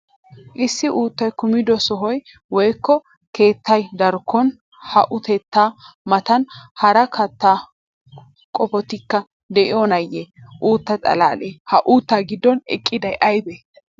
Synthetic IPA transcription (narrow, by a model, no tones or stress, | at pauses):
ʔɪsːɪʔuːt̪ːɐjkʊmɪd̪ɔsɔɦɔj | wɔjkːɔ | ke̞ːt̪ːɐjd̪ɐɾkːɔn | hɐʔʊt̪ɛt̪ːaːmɐt̪ɐnhɐɾɐkʰɐt̪ːaː | kʼɔfɔt̪ɪkːɐ | d̪ɛʔɪonɐjːeʔuːt̪ːɐt͡sʼɐ̰laːleːhɐʔuːt̪ːaːɡɪd̪ːɔnɛ̰kʼːɪd̪ɐjʔɐjbeː